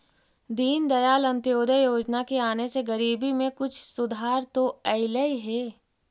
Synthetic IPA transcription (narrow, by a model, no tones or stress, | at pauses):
d̪iːnd̪ɐjaːlɐ̃nt̪joːd̪ʱəjoːd͡ʒnakeaːneseɡɐɾiːbimẽkʊt͡ʃʰsʊd̪ʱaːɾt̪oɐɪləiɦɛː